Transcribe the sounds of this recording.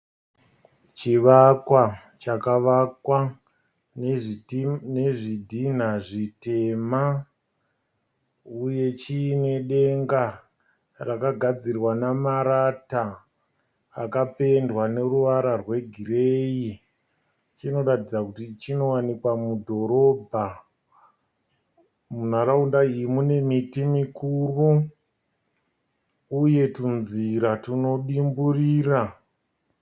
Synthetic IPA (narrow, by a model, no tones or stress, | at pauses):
t͡ʃiʋakwa | t͡ʃakaʋakwa | ne̞ʐidʱin̤aʐite̞ma | uje̞t͡ʃiːne̞ɗe̞ŋɡa | rakaɡʱad͡zirwanamaɾata | kape̞ndwane̞ruʋaɾarwe̞ɡʱireji | t͡ʃino̞ratid͡zakutit͡ʃino̞wanikwamudʱo̞ɾo̞bʱa | mun̤aɾaundaimune̞mitimikuru | uje̞tunziɾatuno̞ɗimburiːra